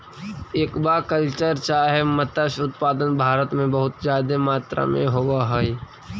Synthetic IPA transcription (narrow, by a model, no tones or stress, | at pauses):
eːkbaːkəlt͡ʃəɾt͡ʃaːɦemət̪əʃʊt̪̚paːd̪ənbʱaːɾət̪mẽbəɦʊt̪zjaːd̪emaːt̪ɾa̰mḛ̃ɦoːɡaɦoːi